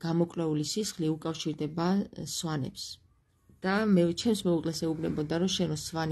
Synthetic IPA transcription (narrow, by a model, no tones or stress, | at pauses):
ɡ̥amɔkʼlɛulisisχliukʼafʃiɾd̪ɛbasvanɛ̰ps | d̪̥amɛt͡ʃʰɛmsmɛukʼlɛsɛubnɛbɔd̪aɾɔʃɛnɔsvan